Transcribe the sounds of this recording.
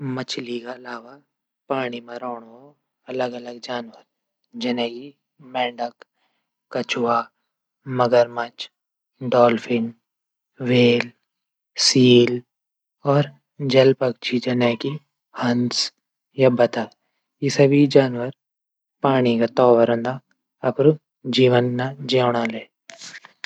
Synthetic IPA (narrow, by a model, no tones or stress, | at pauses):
mɐt͡ʃʰlikaɐlaːʋa | paːɽ̃imẽɾɔːɽ̃o | ɐləɡɐləɡd͡ʒaːnwəɾ | d͡ʒɐnɛ̃ːɡi | mɛ̃ːɳɖək | kːɐt͡ʃʰwa | mɐɡəɾmɐt͡ʃ | ɖɔːlfʰɪ̃n | ʋeːl | siːl | ɔːɾ | d͡ʒɐlpək̚t͡ʃʰid͡ʒɐnɛki | hɐns | jabɐt̪a | jisɐbʱid͡ʒaːnʋəɾ | paːɽ̃ikat̪ɔːʋəɾə̃nd̪a | ɐpɾu | d͡ʒiːʋənːad͡ʒeːɽaleː